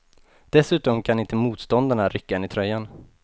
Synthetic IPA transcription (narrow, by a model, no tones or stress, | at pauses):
d̪̥ɛsʉ̟ːt̪ɔmkʰanɪnt̪əmuːt̪st̪ɔnd̪aɳaɾʔʏkːaɛnɪt̪ʰɾœjːan